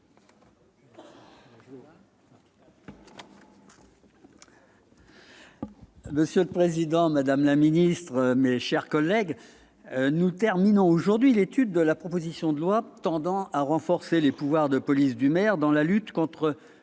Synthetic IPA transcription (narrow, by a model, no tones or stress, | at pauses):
məsjøləpχezid̪ɑ̃mad̪amlaminist̪χəmeʃɛʁkɔlːɛɡ | nut̪ɛʁminɔ̃oʒuʁd̪ɥilet̪yd̪ːəlapχɔpozisjɔ̃d̪əlwat̪ɑ̃d̪ɑ̃aʁɑ̃fɔʁselepuvwaʁd̪əpɔlisd̪ymɛʁd̪ɑ̃lalyt̪kɔ̃t̪χə